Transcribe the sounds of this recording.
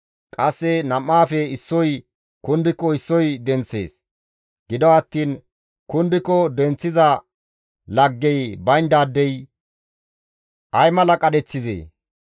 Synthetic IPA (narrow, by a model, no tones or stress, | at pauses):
kʼɐsːɛnɐmːaːfɛɪsːɔj | kʊnd̪ɪkːɔɪsːɔjd̪ɛnt͡sːe̞̰ːs | ɡ̥ɪd̪ɔɐt̪ːiːn | kʊnd̪ɪkːɔd̪ɛnt͡sːɪzɐ | lɐɡːɛjbɐjnd̪aːd̪ːɛj | ʔɐjmɐlɐkʼɐd̪ɛt͡sːɪzḛː